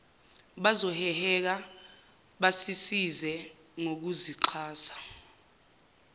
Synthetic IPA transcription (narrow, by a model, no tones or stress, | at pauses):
ɓazɔhɛhɛk̬a | ɓasisizɛ | ŋok̬uziǁʰaːsḁ